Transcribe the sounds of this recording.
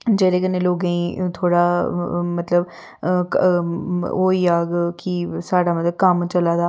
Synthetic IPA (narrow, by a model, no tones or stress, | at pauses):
d͡ʒeːɾeːkənẽːloːɡãĩːt̪ʰoːɽaːmət̪ləb | oːiːaːɡkɪsaːɖaːmət̪ləb̚kəmt͡ʃəlaːd̪aː